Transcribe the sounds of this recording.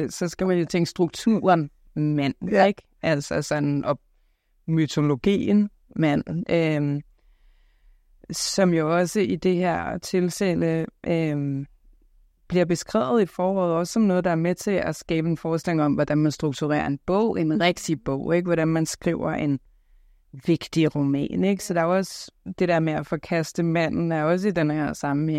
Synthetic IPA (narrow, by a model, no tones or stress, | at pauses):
sɒ̽sɡ̥æmænjo̝t͡sʰeŋ̰ɡ̥əsd̥ʁuɡ̥̚t͡sʰṵɐn | mæn̰eɡ̥ | ʔæl̰sɐsɒ̽nʔɒ̽ | myt͡sʰo̝lo̝ɡ̥ḭːən | mæn̰øm | sɒ̽mjo̝ɒ̽səid̥e̝heɐ̰t͡sʰe̝lseləʔøm | b̥liɐb̥e̝sɡ̥ʁɛ̰ːʊð̞̩ˠifɒːɒ̰ːð̩ˠɒ̽ssɒ̽mnɔ̽ːð̩ˠd̥ɑ̈æɐmet͡sʰe̝læsɡ̥ɛːb̥əenfɒːsd̥leŋɒ̽mʋɒd̥ænmænsd̥ʁuɡ̥̚t͡sʰuʁɛ̰ːɐe̝nb̥ɔ̰ʊ̰e̝nʁɛɡ̥̚d̥ib̥ɔ̰ʊ̰eɡ̥ʋɒɾ̥ænmænsɡ̥ʁḭʊ̰ɐʔe̝n | ʋe̝ɡ̥d̥iʁomɛ̰ːne̝ɡ̥sɒ̽d̥eɐjoɒ̽sd̥e̝d̥eɐ̰meæfɒ̽kʰæsd̥əmæn̰n̩æɐɒ̽s̬əid̥enheɐ̰sɑ̈məe